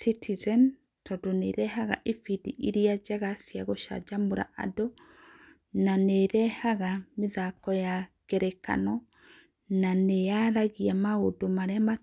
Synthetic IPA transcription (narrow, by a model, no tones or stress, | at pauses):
sitʰizɛn | tʰɔdoneɾɛɦaɣa̰ʔefidḭʔiɾiad͡ʒaɣasjaɣoʃa̰d͡ʒamuɾa̰ʔa̰dɔ | naneɾɛhaɣamiðakɔjaɡ̥ɛɾɛka̰nɔ | nanejaɾaɣiamaodomaɾɛama